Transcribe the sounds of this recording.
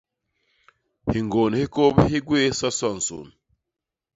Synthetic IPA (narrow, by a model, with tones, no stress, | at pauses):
hi˨ŋɡo˨n˨hi˦ko˦bɦi˦ɡwe˦sa˦sa˦˨n̩˨so̰˨n